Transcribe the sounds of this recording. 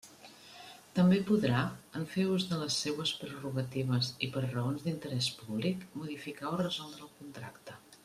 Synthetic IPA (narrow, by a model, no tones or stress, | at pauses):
t̪əmbepuðɾaəɱfeuzðələsːewəspɾəruɣət̪iβ̞əzipəɾrəonzðint̪əɾɛspuβlikmuðifikaorəzɔlˠd̪ɾəːlˠkunt̪ɾa̰kt̪ə